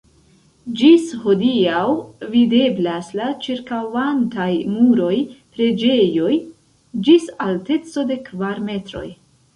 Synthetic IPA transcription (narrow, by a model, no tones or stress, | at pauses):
d͡ʒisho̞diawvide̞blaslat͡ʃiɾkawantajmuɾo̞jpɾe̞d͡ʒe̞jo̞j | d͡ʒisalte̞t͡so̞de̞kvaɾme̞tɾo̞̰j